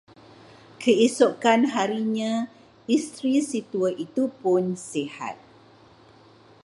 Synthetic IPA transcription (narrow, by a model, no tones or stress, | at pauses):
kʰəisokanɦaɾiɲã | ist̪ɾisit̪uəʔit̪upʊnsiha̰t̪̚